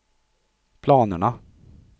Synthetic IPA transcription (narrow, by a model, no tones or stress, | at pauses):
pʰlɑːnəɳa